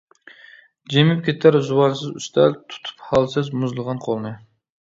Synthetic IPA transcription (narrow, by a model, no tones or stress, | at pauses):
d͡ʒemɪp̚kʲet̪ʰæɾzuwɑnsɨzy̰st̪ʰælt̪ʰu̥t̪ʰu̥phɑlˠsɨzmʊzlˠəʁɑnqʰolˠmɨ